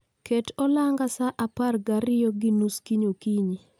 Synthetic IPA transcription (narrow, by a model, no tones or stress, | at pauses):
ketɔlaŋɡasaʔaparɡaɾɪjɔɡinuskiɲokiɲi